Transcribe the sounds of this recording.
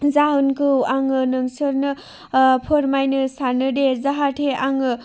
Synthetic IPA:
zaɯnkɯwaŋɯnɯŋsɯɾnɯ | pʰɯɾmajnɯsaɾnɯdezaɦatʰeaŋɯ

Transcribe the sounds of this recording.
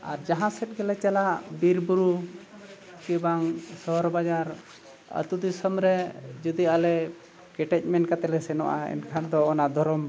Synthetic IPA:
a̰ɾd͡ʒaɦãsɛʈ̚ɡɛlɛt͡ʃalaʔbiɾbuɾu | kibaŋsɔɦɔɾbad͡ʒaɾ | ə̰t̪ud̪isɔmɾɛd͡ʒud̪ialɛ | kɛʈɛc̚ˀmɛnkat̪ɛlɛsɛnɔʔa̰ɛ̰nkʰand̪ɔːnad̪ʱɔɾɔm

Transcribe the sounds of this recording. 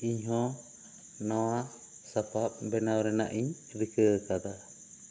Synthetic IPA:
iɲɦɔ̃ | nɔwa | sapap̚bɛnawɾɛna̰ʔiɲ | ɾɨkəkad̪a

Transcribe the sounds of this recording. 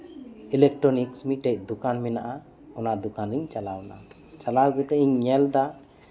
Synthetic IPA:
ilɛk̚ʈɾɔniksmiʈɛc̚d̪ukanmɛnaʔa | ɔnaʔd̪ɔkaniɲt͡ʃalawna̰ | t͡ʃalawɡɛt̪ɛʔiɲːɛlɖa

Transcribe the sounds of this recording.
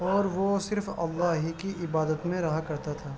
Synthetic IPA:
ɔːɾʋosɪɾfɐ̰lːaɦikiʔɪbaːd̪ət̪mẽɾɐɦakɐɾt̪at̪ʰaː

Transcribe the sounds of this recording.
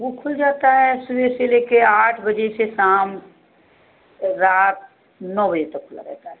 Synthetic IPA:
ʋokʰʊld͡ʒaːt̪aɦɛsubeseleːkeaːʈʰbəd͡ʒesesaːm | ɾaːt̪̚ | nɔːbəd͡ʒet̪ɐkʰːʊla̰ɾɛ̰ːt̪aɦɛ

